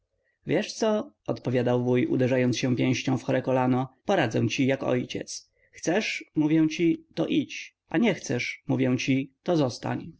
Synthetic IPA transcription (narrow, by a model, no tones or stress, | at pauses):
vʲjɛʂt̪sɔ | ɔt̪pɔvʲjad̪awvujṵd̪ɛʐajɔnt̪ɕɛ̃pʲjɛ̃w̃ɕɲɔ̃w̃fxɔɾɛkɔlanɔpɔɾad̪zɛ̰w̃t͡ɕijakɔ̰jt͡ɕɛ̰t̪s | xt̪sɛʂmuvʲjɛw̃t͡ɕit̪ɔʔit͡ɕ | ʔaɲɛxt̪sɛʂmuvʲjɛw̃t͡ɕit̪ɔzɔst̪a̰ɲ